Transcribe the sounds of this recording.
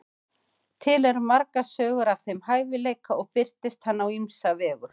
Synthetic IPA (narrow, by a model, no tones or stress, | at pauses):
t̪ʰɪlɛɾmaɾkasœːɣʏɾav̥θejmhaːjvɪleːjkaɔɣpɪr̥t̪ɪst̪hanːawimsavɛːɣʏ